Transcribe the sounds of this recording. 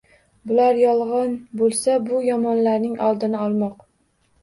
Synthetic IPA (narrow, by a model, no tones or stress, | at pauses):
bʊlaɾjɒlˠʁɑnbolˠsabʊjɒmɒnlaɾnɪŋʔɒ̰lˠd̪ɪnɪɒlˠmɒq